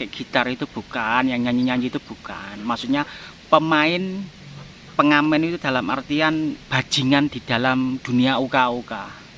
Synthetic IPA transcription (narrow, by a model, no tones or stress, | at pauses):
kɛʔɡ̥i̤t̪arit̪ub̥ṳkanjaŋɲaɲiɲaɲiit̪ub̥ṳka̰nmaʔsuʔɲa | pəmaɪn | pəŋamɛnit̪ud̪̥a̤lama̰rt̪ianb̥a̤̥d͡ʒ̥i̤ŋand̪̥i̤d̪̥a̤lamd̪̥ṳniaukauka